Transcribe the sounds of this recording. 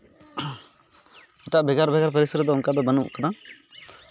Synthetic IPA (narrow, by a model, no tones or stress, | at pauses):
ɛʈaʔbɛɡaɾbɛɡaɾpəɾisəɾd̪ɔuŋkad̪ɔbənṵʔkad̪a